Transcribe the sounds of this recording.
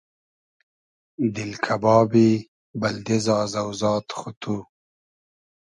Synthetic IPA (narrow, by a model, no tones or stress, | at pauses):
d̪ɪlkʰabɑːbi | bɐld̪ezɑːzawzɑːt̪xut̪ʰu